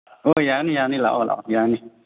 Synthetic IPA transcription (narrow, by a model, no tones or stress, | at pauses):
ojaknijanila̰ʔla̰jaːkni